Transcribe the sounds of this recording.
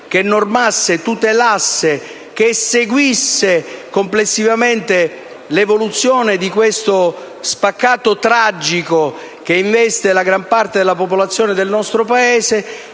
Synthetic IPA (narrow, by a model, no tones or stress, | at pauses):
k̟enːormasːet̪ut̪elasːe | k̟eseɡwisːekomplesːivament̪e | levolut̪sːjoːned̪ikwest̪o | spakːaːt̪ot̪ɾad͡ʒiko | k̟eiɱvɛst̪elaɡɾampart̪ed̪elːapop̬olat̪sːjoːned̪elnɔst̪ɾopaeːze